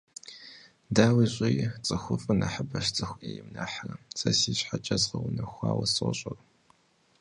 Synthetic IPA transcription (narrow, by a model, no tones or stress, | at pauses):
daːwiːɕʷʼɪjt͡sʼɨxʷʊfʼɨnɐħəbɐʃt͡sʼɨxʷʔejɪmnɐħarɐt͡sʼɐsiːɕħat͡ʃʼɐzqɐwʊnɐxʷɑ̰ːwɐsɐ̰ɕʼɐr